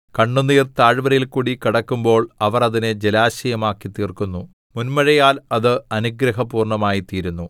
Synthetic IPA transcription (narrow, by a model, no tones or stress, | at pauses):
kɐɳːunːiːrt̪aːɻʋɐɾɐjilkuːɽikiɽɐkːumbo̞ːɭɐʋɐrɐðinɨd͡ʑelaːɕɐjɐmaːkːit̪iːrkunːu | munmɐɻɐjaːlɐðɨɐnuɡɾɐɦɐpuːrɳɐmaːjit̪iːɾunːu